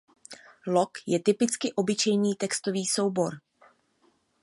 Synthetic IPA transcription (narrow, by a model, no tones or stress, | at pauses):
lokjɛt̪ɪpɪt͡skɪʔo̞bɪt͡ʃɛjniːt̪ɛkst̪o̞viːso̞wbo̞ɾ